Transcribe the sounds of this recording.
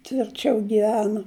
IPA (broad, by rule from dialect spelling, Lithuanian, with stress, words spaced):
tʲʋʲɪrʲˈt͡ʃʲɛʊ ɡʲɪˈʋʲæːnʊ